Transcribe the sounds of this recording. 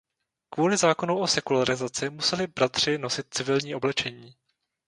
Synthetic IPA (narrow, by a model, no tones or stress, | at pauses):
kvuːlɪzaːko̞nuwʔo̞sɛkulaɾɪzat͡sɪmusɛlɪbɾat̪r̝̥ɪno̞sɪt̪̚t͡sɪvɪlɲiːʔo̞blɛt͡ʃɛɲiː